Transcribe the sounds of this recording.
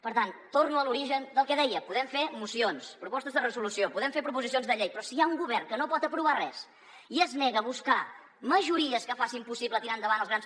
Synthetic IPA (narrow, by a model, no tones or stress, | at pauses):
pəɾt̪ant̪ornuəluɾiʒənd̪əlˠkɛðɛjəpuðɛmfemusionspɾupɔst̪əzðərəzulusiopuðɛmfeɾpɾupuzisionzðəʎejpɾɔsiauŋɡuβɛrnkənopɔt̪əpɾuβ̞arɛs | iəznɛɣəβuska | məʒuɾiəskəfasimpusiβlət̪iɾand̪əβanəlˠzɣɾans